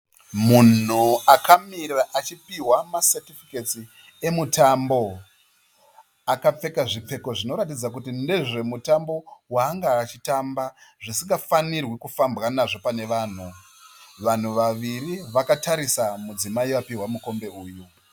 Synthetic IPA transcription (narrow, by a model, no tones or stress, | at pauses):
mun̤uakamirraʔat͡ʃipiwamasetifiketi | e̞mutambo̞ | akap͡fe̞kaʐip͡fe̞ko̞ʐino̞ɾatid͡zakutinde̞ʐe̞mutambo̞waːŋɡaːt͡ʃitambaʐisiŋɡafanirwikufambɣanaʐo̞pane̞ʋaːn̤u | ʋan̤uʋaʋiriʋakataɾisamud͡zimaiʋapiɦwamuko̞mbe̞uːju